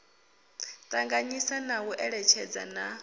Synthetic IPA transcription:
t̪ʼaŋɡaɲisanawuʔɛɺɛt͡ʃʰɛd͡za̰na

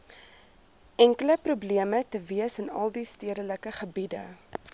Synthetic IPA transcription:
ʔæŋkələpɾubliəmətəviəsənɐ̰lˠdistiədələkəχəbidə̰

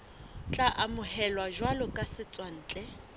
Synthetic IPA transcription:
t͡ɬʼaʔamʊhɛlwaʒwalɔkʼasɪt͡sʼwan̩ːt͡ɬʼɛ

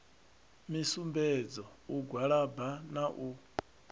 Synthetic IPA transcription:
misumbɛd͡zɔuɡʱwaɺabanaʔu

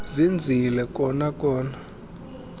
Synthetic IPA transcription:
zind͡zʱilɛkʼɔnakʼɔːna

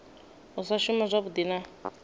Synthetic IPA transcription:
usaʃumazʷaβud̪ina

